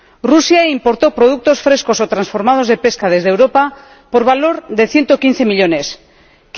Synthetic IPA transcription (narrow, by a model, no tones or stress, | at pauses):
rusjaimpo̞ɾt̪o̞pɾo̞ð̞uk̚t̪o̞sfɾe̞sko̞sot̪ɾansfo̞ɾmað̞o̞zðe̞pe̞skað̞e̞zðewɾo̞pa | po̞ɾβalo̞ɾðe̞θje̞nt̪okin̟θe̞miʎo̞ne̞s | k